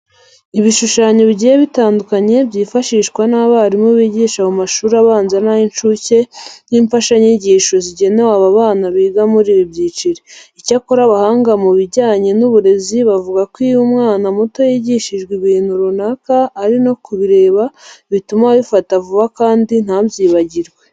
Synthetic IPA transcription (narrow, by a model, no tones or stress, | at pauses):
iβiʃuʃaːɲo̞βiɟijeβitaːndukaɲe̞bjiːfaʃiːʃkwanaβaaɾimoβiɟiːʃahumaʃuːɾaβaːnzanajint͡ʃuce̞jiːɱfaʃaɲiɟiːʃo̞ziɟe̞ne̞waβaβaːnaβiːɡamuɾiːβibɟiːt͡ʃiɾeicakoɾaβahaːŋɡamuβiɟaːɲe̞nuβuɾe̞ziβavuɡakwijumŋaːnamoto̞jiɟiʃiʒɡwiβiːn̥huɾunakaːɾino̞kuβiɾe̞ːβaβitumaβifatavuβakaːndin̥abjiːβaɟiɾɡwe